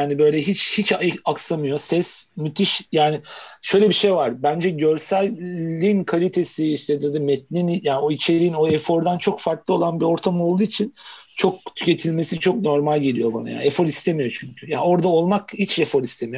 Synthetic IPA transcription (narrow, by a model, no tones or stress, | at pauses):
jaːnibø̞jlʲɛɦit͡ʃhit͡ʃaaksamɯjo̞sɛsmyt̪ʰiʃjaːnɪʃø̞jlʲɛbiʃe̞jvaɾbænd͡ʒɛɟøɾsælʲːinkʰalʲit̪ʰe̞siiʃt̪ʰɛd̪ad̪ɯmɛt̪̚nʲinjaːno̞it͡ʃʰe̞ɾiino̞ɛfo̞ɾd̪ant͡ʃʰo̞kfaɾklˠɯo̞lˠanbio̞ɾt̪ʰamo̞lˠd̪uːit͡ʃʰint͡ʃʰo̞k̚t̪ʰy̥cʰe̞t̪ʰilʲme̞sit͡ʃʰo̞kno̞ɾmalʲɟelijo̞ba̰na̰ja̰ːefoɾist̪ʰemijo̞t͡ʃʰyɲcʰyjaːo̞ɾd̪ao̞lˠmakhit͡ʃefoɾist̪ʰemijo